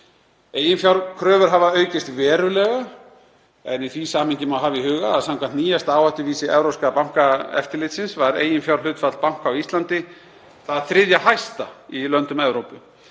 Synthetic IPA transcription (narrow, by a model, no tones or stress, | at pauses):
eːjɪnfjawɾkʰɾœːvʏɾ̥ɦavaœːɥcɪst̪vɛːɾʏlɛɣa | ɛniθvisaːmɪɲcɪmawɦaːvɪiɦʏːɣaːðsamkʰvant̪niːjast̪aːwhaht̪ʏviːsɪʔɛvɾowskapawŋ̥kaɛ̰ft̪ɪɾlɪt̪sɪnsvaɾḛːjɪnfjawɾlʏːt̪fat̪lpawŋ̥kawist̪lant̪ɪ | θaðθɾɪðjaɦajst̪ailœnt̪ʏmɛvɾowpʏ